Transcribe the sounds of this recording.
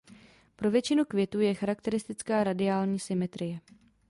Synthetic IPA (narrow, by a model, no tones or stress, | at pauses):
pɾo̞vjɛt͡ʃɪnukvjɛt̪uːjɛxaɾakt̪ɛɾɪst̪ɪt͡skaːɾadɪaːlɲiːsɪmɛt̪ɾɪjɛ